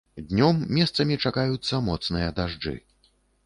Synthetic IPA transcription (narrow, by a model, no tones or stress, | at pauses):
d̪ʲnʲɔmːʲɛst̪sɐmʲit͡ʂakajut̪sːɐmɔt̪snɨjɐd̪aʐd͡ʐɨ̰